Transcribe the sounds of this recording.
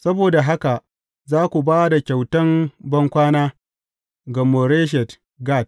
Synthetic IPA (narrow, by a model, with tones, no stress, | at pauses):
sɐ˦boː˨da˨ɦa˦ka˨ʔ | zaː˦kʷu˨baː˦da˨kʲa˨wtɐ˦mbɐ˦ŋkʷaː˦naː˦ | ɡɐ˨mo˨ɾeː˦ʃ̬ɛ˨t | ɡa˦˨t̚